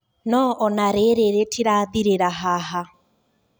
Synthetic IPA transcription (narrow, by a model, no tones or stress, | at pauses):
nɔʔɔnaɾeɾeɾetʰiɾaːðiɾeɾaɦaɦa